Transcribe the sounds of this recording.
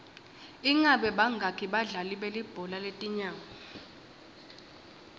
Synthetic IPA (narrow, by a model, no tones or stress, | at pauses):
iŋaɓɛɓaŋɡʱakʰiɓaɮaliɓelib̥ʱɔlaletʼiɲaːŋɔ